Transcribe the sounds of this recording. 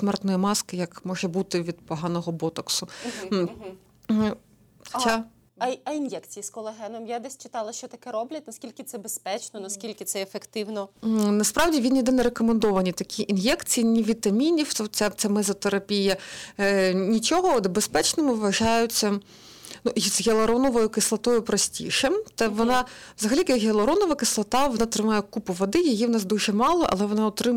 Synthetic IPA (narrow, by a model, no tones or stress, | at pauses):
smɛrt̪nɔjimɑskɪjɐkmɔʒɛbut̪ɪʋʲid̪pɔɦɑnɔɦɔbɔt̪ɐksʊ | xt͡ʃa | ɐinjɛkt͡sʲijiskɔlˠeɦɛnɔmjad̪ɛsʲt͡ʃɪ̥t̪ɑlˠɐʃt͡ʃɔt̪ɐkɛɾɔblʲɐt̚ʲnɐskʲilʲkʲɪt̪sɛbespɛt͡ʃnɔnɐskʲilʲkʲɪt̪sɛefekt̪ɪwnɔnɐspɾɑwdʲiʋʲinjid̪ɛnɛɾekɔmend̪ɔʋɐnʲit̪ɐkʲʰiʔinjɛkt͡sʲijinʲiʋʲit̪ɐmʲinʲiwt͡sʲat͡sʲamɛzɔt̪eɾɐpʲijɐ | nʲit͡ʃɔɦɔd̪bespɛt͡ʃnɔmʊʋʋɐʒɑjʊt͡sʲːɐ | nuzɦelˠɐɾɔnɔʋɔjʊkɪslˠɐt̪ɔjʊpɾɔsʲtʲḭʃɛmt̪ɛʋɔnɑʋzɐɦɐlʲikjɐkɦelˠɐɾɔnɔʋɐkɪslˠɐt̪ɑʋɔnɑt̪ɾɪmɑjɛkupʊʋɐd̪ɪjɐjiwnɑs̬d̪uʒɛmɑlˠɔ̰ʔɐ̰lˠɛʋɔnɑʊt̪ɾɪ